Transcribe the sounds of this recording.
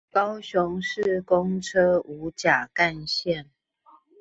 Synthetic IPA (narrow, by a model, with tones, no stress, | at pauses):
kɑ˦ʊɕʊ˨˦ŋʂɻ̩˥˨kʊ˦ŋʈ͡ʂʰɤ˦˥u˨˧˥t͡ɕja˨˩ka˥˧nɕjɛ˥˨n